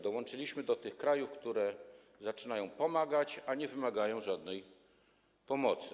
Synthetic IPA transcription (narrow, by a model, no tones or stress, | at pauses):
d̪ɔwɔnt͡ʂɘlʲiɕmɘd̪ɔt̪ɘxkɾajufkt̪uɾɛ | zat͡ʂɘnajɔ̃w̃pɔmaɡat͡ɕaɲɛvɘmaɡajɔ̃w̃ʐad̪nɛj | pɔmɔt̪sɘ